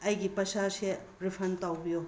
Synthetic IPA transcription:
ɐjɡipɐsaseɾipʰɐntawbijo

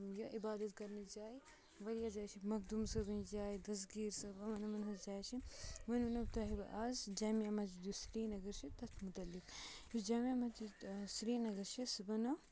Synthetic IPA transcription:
jɐʔibaːd̪ɐt̪kɐɾnid͡ʒaːi | ʋɐɾijad͡ʒaːjt͡ʃʰimɐkd̪umsɐbɐnd͡ʒaːjd̪ɐs̬ɡiːɾsɐbɐmɐnɐmɐnɦɐzd͡ʒaːjt͡ʃʰiʋɐnunɐbt̪ɐɦibɐʔaːzd͡ʒaːmiɐmɐt͡ʃid̪usɾiːnɐɡɐɾʃʰit̪ɐt̪ʰmut̪ɐlːik | usd͡ʒaːmiɐmat͡ʃisɾiːnɐɡɐɾʃʰisbɐnɐ

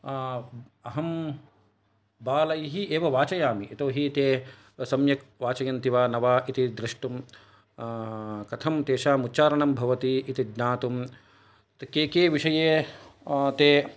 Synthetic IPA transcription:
ɐɦɐm | baːlɐjiɦieːʋɐʋaːt͡ʃɐjaːmiʔːt̪oːɦit̪eː | sɐmjɐkʋaːt͡ʃɐjɐnt̪iʋaːnɐʋaːit̪id̪ɾɪʂʈum | kɐt̪ʰɐmt̪eːʃaːmutːt͡ʃaːɾɐɳɐmbʱɐʋɐt̪iːt̪id̪naːt̪um | t̪keːkeːʋiʂɐjeː | t̪eː

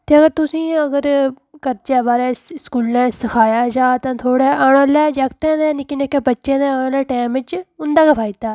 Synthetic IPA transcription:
t̪eːəɡəɾt̪ʊsĩːəɡəɾ | kəɾd͡ʒaːbaːɾɛːskuːlnɛ̃ːsəkʰaːjaːd͡ʒaːt̪ãːt̪ʰoːɽɛːʔaːɽ̃õːlɛːd͡ʒaːkt̪ɛ̃ːd̪ɛːnɪkːinekːeːbətːʃẽːd̪ɛ̃ːãːõːlɛːʈɛːmɪt͡ʃʊnd̪aːkəpʰaːit̪aː

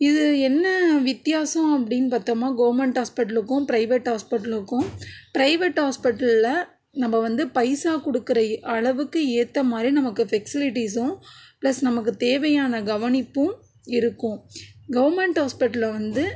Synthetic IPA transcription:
ɪðɯɛnːɐʋɪt̪ːɪjaːsɐ̃ɐpːɐɽɪnːpaːɾt̪oːmaːɡɐʋɐɾmɛɳʈaːspɪʈːɐlɯkːʊ̃pɪɾɐɪʋeʈhaːspɪʈːɐlɯkːʊ̃pɪɾɐɪʋeʈhaːspɪʈːɐllɐ | nɐmːɐʋɐnd̪ɯpɐɪsaːkɔɽɯkːɪɾɐʔɐɭɐʋɯkːɯeːt̪ːɐmaːd̪ɾinɐmɐkːɯfɛksɪlɪʈis̬ʊ̃plɐsnɐmɐk̬ːɯt̪eːʋɐjaːnɐɡɐʋɐnɪpːʊ̃ | ɪɾɯkːʊ̃ɡɐʋɐɾmɛɳʈhaːspɪʈːɐlʋɐnd̪ɯ

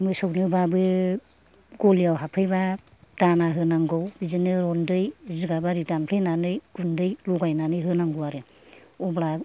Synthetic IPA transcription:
mɯjsɔwnɯbabɯ | ɡɔlijawɦapʰɯjbad̥anaɦɯnaŋɡɔwbizɯnɯɾɔndɯjziɡabaɾidampʰɯjnanɯjɡ̥undɯjluɡajnanɯjɦɯnaŋɡɯwaɾɯ | ɔbɾa

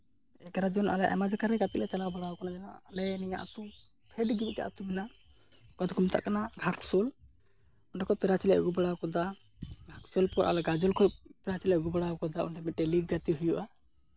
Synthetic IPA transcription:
ɛkaɾad͡ʒɔnʔa̰lɛʔɛ̰mad͡ʒakaɾɛɡat̪iʔlɛt͡ʃalabaɽawɔkanad͡ʒanaːlɛnijaʔat̪u | pʰɛɖɡimiʈɛ̰ʔa̰t̪umina | kad̪ɡumt̪a̰ʔkanaɡʱaksɔl | unɖakɔpɛɾat͡ʃɛlɛʔɡubaɽawkɔd̪a | ɡʱaksɔlpɔɾʔa̰lɛɡad͡ʒɔlkʰɔpɛɾat͡ʃilɛʔɡubaɽawɔkɔd̪aunɖɛmiʈɛliɡɡat̪iɦujuʔa

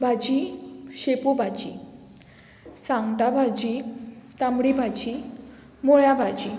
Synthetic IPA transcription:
bʱad͡ʑiɕepobʱad͡ʑi | sãŋɡt̪abʱad͡ʑit̪amɽibʱad͡ʑi | moɭjabʱad͡ʑi

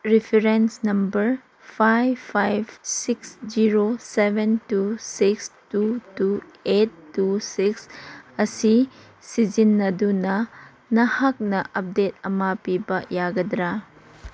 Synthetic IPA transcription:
ɾipʰeɾensnɐmbɐɾ | pʰajpʰajbsiksd͡ʒiɾosebʱentusikstutuetːusiksɐsi | sid͡ʒinːɐdunɐ | nɐhak̚nɐʔɐp̚detɐmapibɐjaɡɐdɾa

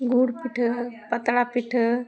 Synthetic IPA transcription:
ɡʱuɽpiʈʰəpət̪ɽapiʈʰə

